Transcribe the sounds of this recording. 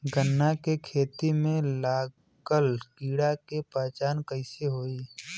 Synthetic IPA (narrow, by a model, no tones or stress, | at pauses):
ɡənːakekʰeːt̪imẽlaː | ɡəlkiːɽakepaːt͡ʃaːnkəɪseɦoːiː